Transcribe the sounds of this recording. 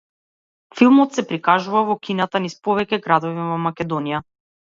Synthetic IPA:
filˠmɔt̪sɛpɾikaʒuvavɔkʲinat̪anispɔvɛcɛɡɾad̪ɔvivɔmakʲɛd̪ɔnija

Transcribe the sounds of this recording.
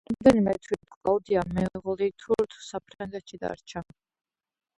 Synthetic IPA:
ɾammd̪ɛnimɛt̪ʰwit̪tʼlˠaud̪iamɛʁɔlit̪ʰuɾt̪ʰu̥sapʰɾaŋɡɛt̪ʃid̪a̰ɾt͡ʃʰa

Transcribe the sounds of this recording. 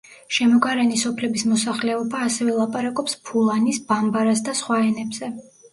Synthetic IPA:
ʃɛmɔɡaɾɛnisɔpʰlɛbismɔsaχlɛɔbaːsɛvɛlˠapʼaɾakʼɔpspʰulˠanisbambaɾas̬d̪asχwaɛnɛbz̥ɛ

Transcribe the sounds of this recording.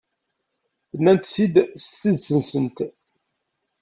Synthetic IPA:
θənːænt̪sid̪siðsənsənt̪

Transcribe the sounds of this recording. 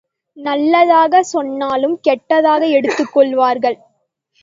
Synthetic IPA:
nɐlːɐðaːɣɐsɔnːaːlɯmkɛʈːɐðaːɣɐɛɽɯt̪ːɯkːɔɭʋaːɾɣɐɭ

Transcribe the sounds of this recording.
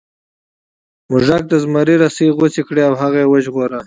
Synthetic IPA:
mʊʒak̚d̪əzmaɾiɾasiɣot͡sikɽeawɦaɣewəʒɣoɾa

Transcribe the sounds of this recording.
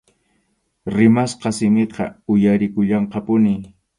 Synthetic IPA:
ɾɪmasqɑsɪmɪqɑ̰ʊjaɾɪkʊʎɑɴqɑpʊnɪ

